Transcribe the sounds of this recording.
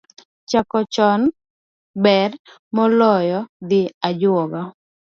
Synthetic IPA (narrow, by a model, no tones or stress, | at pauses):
t͡ʃakɔt͡ʃɔn | bɛr | mɔlɔjɔd̪ɪad͡ʒwɔɡɔ